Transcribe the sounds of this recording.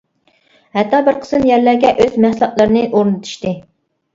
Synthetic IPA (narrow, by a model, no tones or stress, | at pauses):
hɛt̪ʰːɑbɪɾqʰə̥sɨnjɛɾlæɾɡʲɛʔøzmɛslˠɑʔlˠɨɾɨnɨʔoɾnɨt̪ʰu̥ʃt̪ɨ